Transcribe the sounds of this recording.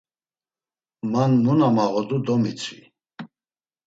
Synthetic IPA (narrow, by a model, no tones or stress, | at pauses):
manmunamaʁɔd̪ud̪ɔmit͡sʰi